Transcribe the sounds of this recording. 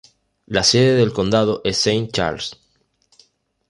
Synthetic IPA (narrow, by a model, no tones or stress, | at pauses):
laseðeðelko̞nd̪að̞oʔesːejn̚t͡ʃa̰ɾls